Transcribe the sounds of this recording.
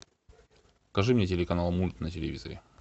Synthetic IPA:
kɐʐɨmnʲet̬ʲɪlʲɪkɐnalˠmulʲt̪nətʲɪlʲɪ̰vʲizə̰ɾʲɪ̰

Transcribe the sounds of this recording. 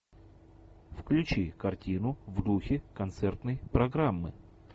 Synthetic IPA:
fklʲʉt͡ɕikɐrtʲinʊvd̪uxʲɪkɐnt̪sɛrt̪nəjpɾɐɡɾamːɨ̰

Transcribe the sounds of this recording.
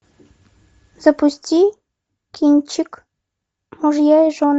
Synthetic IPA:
z̥apusʲtʲi | kʲinʲt͡ɕik | muʐjɑjʒon

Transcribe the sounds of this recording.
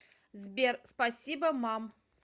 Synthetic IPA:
zbʲerspɐsʲibɐmam

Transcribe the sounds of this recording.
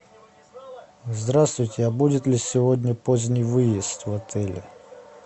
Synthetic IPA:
zd̪ɾast̪vʊjtʲɪɐbudʲɪt̪lʲɪsʲɪvod̪ʲnʲəpozʲnʲəjvɨjɪst̪vɐt̪ʰɛlʲɪ̰

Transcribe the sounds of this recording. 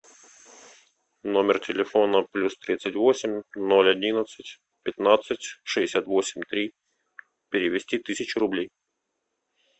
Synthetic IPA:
no̞mʲɪrtʲɪlʲɪfo̞nəplʲust̪ɾʲit̪sɨtʲvo̞sʲɪmʲnolʲɐdʲinət̪sɨtʲ | pʲɪt̪nat̪sɨtʲʂɨdʲɪsʲat̪vo̞sʲɪmʲt̪ɾʲi | pʲɪɾʲɪvʲɪsʲtʲit̪ɨsʲɪt͡ɕɪɾʊblʲej

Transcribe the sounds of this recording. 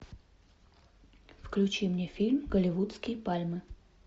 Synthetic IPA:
fklʲʉt͡ɕimnʲefʲilʲmɡəlʲɪvut̪skʲɪjpalʲmɨ

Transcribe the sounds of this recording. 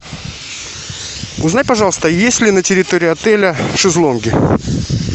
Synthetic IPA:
ʊznajʲpɐʐɑlˠəst̪əjesʲlʲɪnətʲɪɾʲɪt̪oɾʲɪjɐt̪ɛlʲəʂɨzlˠonɡʲɪ

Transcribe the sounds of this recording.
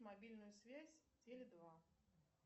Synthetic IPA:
mabʲilʲnʊjusʲvʲasʲ | d͡zʲelʲɪd̪va

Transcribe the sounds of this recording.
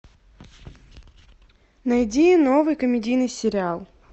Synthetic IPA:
nɐjdʲijnovɨjkəmʲɪdʲijnɨjsʲɪɾʲɪalˠ

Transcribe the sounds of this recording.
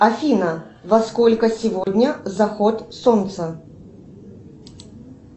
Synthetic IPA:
ɐfʲinə | vɐskolʲkəsʲɪvodʲnʲəzɐxot̪sont̪sə

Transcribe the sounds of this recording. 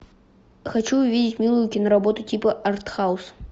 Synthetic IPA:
xat͡ʃuvʲidʲit͡sʲmʲilˠujʊkʲinɐɾabɔt̪ʊtʲipɐʔɐrt̪xaws

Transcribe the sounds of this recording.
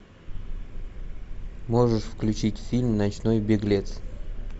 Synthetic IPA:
moʐɨʂfklʲʉt͡ɕitʲfʲilʲmnɐt͡ɕnojbʲeɡlʲe̞t̪s

